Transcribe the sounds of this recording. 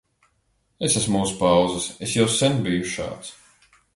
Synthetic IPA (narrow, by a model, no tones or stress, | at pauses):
esasmuspawzɨsesjawsɛnbijuʃa̰ːt̪s